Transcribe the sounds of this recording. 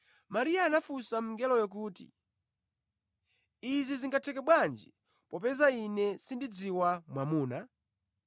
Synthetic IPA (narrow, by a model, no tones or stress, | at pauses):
maɾiaːnafusam̩ŋɡɛlɔjɔk̬uːtḭ | iziziŋɡatʰɛkɛɓwand͡ʒi | pɔpɛzainɛsindid͡ziwamwamuːna